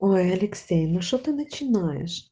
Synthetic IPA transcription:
ojɐlʲɪksʲɛjnuʃt͡ʃɔt̪ɨnɐt͡ʃʲɪnɑjḛʃ

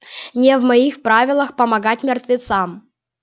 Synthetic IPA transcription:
nʲevmɐixpɾavʲɪlˠəxpəmɐɡat̚ʲmʲɪrt̪vʲɪt̪sam

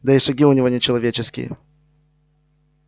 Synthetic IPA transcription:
d̪ɐiʂɐɡʲiʊnʲɪvonʲɪt͡ɕɪlˠɐvʲet͡ɕɪskʲɪ̰jə̰

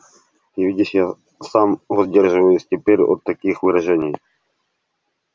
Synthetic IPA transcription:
ɪvʲidʲɪʂja | samvɐzʲdʲerʐɨvəjʊsʲtʲɪpʲeɾʲo̰t̪ːɐkʲixvɨɾɐʐɛnʲɪj

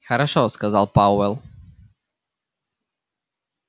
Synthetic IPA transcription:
xaɾaʃɔskazalˠpauɛlˠ

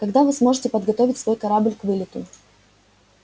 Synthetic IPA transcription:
kɐɡd̪avɨsmo̞ʐɨtʲɪpəd̪ɡɐt̪ovʲɪtʲsvo̞jkɐɾablʲkvɨlʲɪt̪ʊ

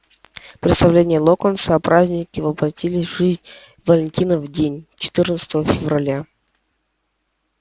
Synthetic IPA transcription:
pɾʲɪt̪st̪ɐvlʲenʲɪjəlˠokənsəpɾazʲnʲɪkʲɪvəbɾɐtʲilʲɪsʲʐɨzʲnʲ | vəlʲɪnʲtʲinəvdʲenʲt͡ɕɪ̥t̪ɨrnət̪sə̥t̪əvəfʲɪvrɐlʲa

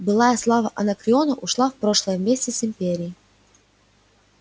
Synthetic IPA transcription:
bɨlˠajəslˠavəʔɐnəkɾʲɪonəʔʊʂlˠafpɾo̞ʂlˠəjəmʲːesʲtʲɪsɪmʲpʲeɾʲɪɪ

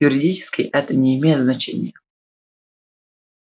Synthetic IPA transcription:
jʊɾʲɪdʲit͡ʃɪ̥skʲɪjʔɛt̪ənʲɪɪmʲejɪt̪znɐt͡ɕḛnʲɪ̰jə

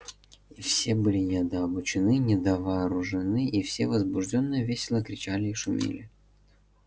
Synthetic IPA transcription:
ifsʲebɨlʲɪnʲɪɐd̪əɐbʊt͡ɕɪnɨnʲɪd̪əvɐːɾʊʐɨnɨʔifsʲevəzbʊʐdʲo̞nːɨjəvʲesʲɪlˠəkɾʲɪt͡ɕælʲɪːʂʊmʲḭlʲɪ

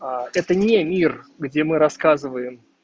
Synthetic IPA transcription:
aɛt̪ənʲemʲirɡdʲemɨɾɐskazɨvəjɪm

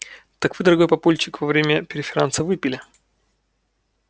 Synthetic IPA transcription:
t̪ɐkvɨd̪əɾɐɡojpɐpolʲt͡ɕɪkvɐvɾʲemʲəpʲɪɾʲɪfʲɪɾansəvɨpʲɪlʲɪ

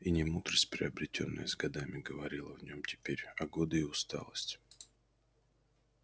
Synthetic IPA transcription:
inʲɪmud̪ɾəsʲtʲpɾʲɪɐbɾʲɪtʲo̞̰nːɨ̰jəzɡɐd̪amʲɪɡəvɐɾʲilˠəvnʲo̞mtʲɪ̥pʲeɾʲɐɡo̞d̪ɨɪʊst̪a̰lˠəsʲtʲ

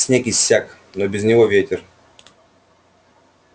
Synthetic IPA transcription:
sʲnʲekʲɪsʲːak | nobʲɪzʲnʲɪvovʲetʲɪr

